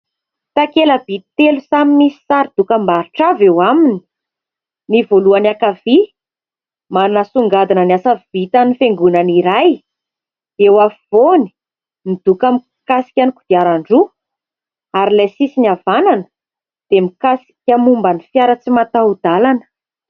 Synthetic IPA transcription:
t̪akeləbit̪elusaminisi̥saɾid̪̥ukəmbaɾiʈ͡ʂavewamini̥ | nivoluanakavi | manasuŋɡad̪inəniasavit̪anifeŋɡunaniɾaj | d̪ewavoni̥ | mid̪̥ukam | kasi̥kʲaniku̥viaɾaɳɖ͡ʐu | aɾilajsisinavananə̥ | d̪̥emikasi̥kʲamumbanifjaɾət͡simat̪awd̪̥alanə̥

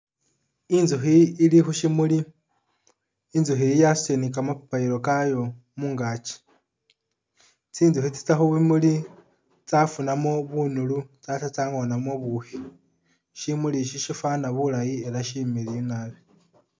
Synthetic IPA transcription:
inzuxiːlixuʃimuli | inzuxiijassenikamapapaiɾokajo̞ | muːŋɡat͡ʃi̥ | t͡siːnzuxit͡si̥t͡saxuβimuli | t͡safunamo̞βunulut͡satat͡saŋo̞namo̞βuxi | ʃimuliʃiʃifanaβulajie̞laʃimiɾiinaβe

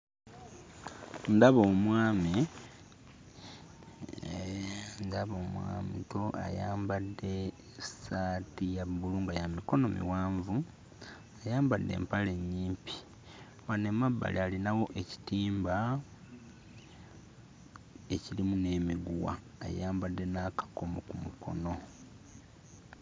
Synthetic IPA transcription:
ndaβoːmwaːmi | ndaβomwa̰ːmḭtoa̰ja̰ːmbadːe̞ | satijaβuluːŋɡajamiko̞no̞mḭwaːɱvu | ajaːmbadːḛːmpale̞ɲːiːmpi̥ | wanemabːa̰lialinawo̞ʔe̞ci̥tiːmba | e̞cilimune̞miɡuwa̰ː | jaːmbadːe̞nakḁko̞mokumukʰo̞̰no̞

